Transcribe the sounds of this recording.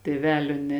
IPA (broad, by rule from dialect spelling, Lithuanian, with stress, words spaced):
tʲeːˈʋʲæːlʲoː nʲɛ